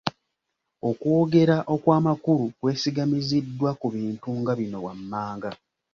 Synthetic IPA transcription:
o̞kwo̞ːɡe̞ɾaʔo̞kwaːmakuɾukwe̞ːsiɡamizidːwakuβiːntuŋɡaβino̞wamːaːŋɡa

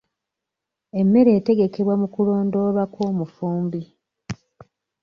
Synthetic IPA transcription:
e̞mːe̞ɾe̞ːte̞ɡe̞ke̞βwamukulo̞ːndo̞βakoːmufuːmbi

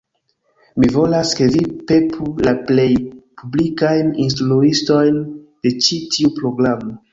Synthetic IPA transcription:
mivo̞laske̞vipe̞pʰulaple̞jpʰublikajninstluisto̞jnd̥e̞t͡ʃitʰiupɾo̞ɡɾamo

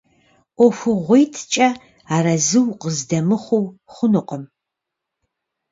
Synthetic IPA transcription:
ɔfʷʊʁʷijtʰt͡ʃʼɐ | aːɾɐzɨwqəzdɐmɨχʷʊwχʷʊnɨqʼəm

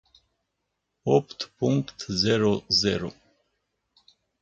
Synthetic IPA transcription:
ɔpʰt̪pʰuŋkt̪ʰzɛɾozɛɾo

